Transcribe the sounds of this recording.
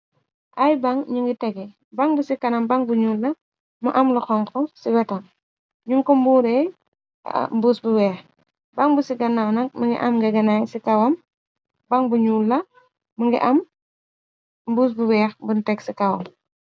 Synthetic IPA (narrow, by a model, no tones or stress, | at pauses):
ʔɐjbɐŋɲuŋɡitɛɡɛ | bɐŋbusikɐnɐmbɐŋbuɲuːlːɐ | muʔɐmluxɔŋkɔsiwɛtɐm | ɲuŋkɔmbuːɾɛj̰ | mbuːsbuwɛːx | bɐŋbusiɡɐnːawnɐk̚mɐŋɡḭʔɐmɡɛɡɐnajsikɐwɐm | baŋbuɲuːlːɐ | muŋɡḭʔɐm | mbuːs̬buwɛːxbuntɛɡsikɐwɐ̰m